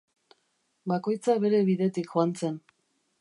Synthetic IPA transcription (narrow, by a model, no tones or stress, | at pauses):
bako̞jt͡saβe̞ɾe̞βiðe̞t̪ikxoant͡se̞n